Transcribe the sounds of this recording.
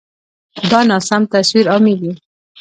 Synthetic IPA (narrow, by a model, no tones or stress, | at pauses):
d̪ɑnɑsamt̪aswiɾɑmiwi